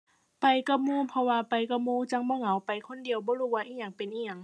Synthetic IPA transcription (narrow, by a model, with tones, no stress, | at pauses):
pa˨jka˧muː˧˨pʰɔ˧waː˧pa˨˩jka˧muː˧˥˨t͡ɕa˧˩ŋbɔː˧˨ŋa˨˦wpa˨jkʰo˧˥˨ndi˨əwbɔː˧˦luː˧˩waː˧ʔiː˧˩ɲa˧˩ŋpe˨nʔiː˧˩ɲa˧˩ŋ